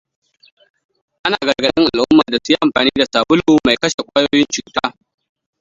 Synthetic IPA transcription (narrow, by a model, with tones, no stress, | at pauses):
ʔa˦naː˨ɡɐ˨ɡɐ˨nɪ̰˦ŋʔa˨lʔʊ˦mːaː˨da˨su˦ja˦ʔa˨mɸaː˨niː˦da˨saː˨bʊ˦luː˨ma˨jkɐ˦ʃe˨kʷʼaː˦joː˦jɪ˦nt͡ʃuː˨taː˦